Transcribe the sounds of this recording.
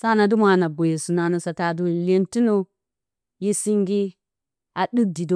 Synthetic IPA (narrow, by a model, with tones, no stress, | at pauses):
sa˦˨na˨du˦ma˨na˨bo˨je˨su˨na˨no˨sa˨ta˨du˦le˦nti˦no˦ | ji˦si˦ŋɡi˦ | a˨ɗi˦k̚di˨do˦